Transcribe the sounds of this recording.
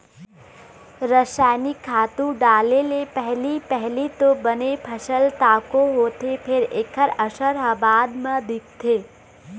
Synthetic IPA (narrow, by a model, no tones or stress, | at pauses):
ɾəʃaːnikʰːaːt̪ũɖaːlelepɛɦlipɛɦlit̪obənepʰɐʃəlt̪aːkoɦoːt̪epʰɪɾeːkʰəɾəʃəɾaːbaːd̪mãd̪ɪk̚ʰt̪ʰeː